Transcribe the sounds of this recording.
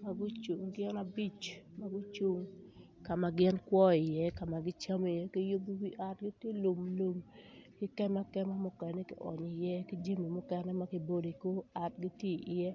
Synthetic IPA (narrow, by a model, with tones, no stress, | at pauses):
ma˦ɡʊ˦t͡ʃu˨ŋɡɪ˦na˦bi˦t͡ʃma˦ɡu˦t͡ʃu˦ŋ | ka˨ma˨ɡɪ˦nkwɔ˦ɪ˨jɛ˦ka˨ma˨ɡɪ˦t͡ʃa˦m˨jɛ˦kɪ˦jo˦bi˦wi˦ʔa˨tɡi˦tje˦lu˨mlo˨mkɪ˦kɛ˦ma˦kɛ˦ma˦mʊ˦kɛ˨ne˦kɪ˦ʔɔ̰˨ɲɪ˨jɛ˦ki˦d͡ʒi˦mi˨mʊ˦kɛ˦nɛ˦ma˦kɪ˨bo˦do˨ko˦a˨tɡi˦tje˦˨ʔjɛ˦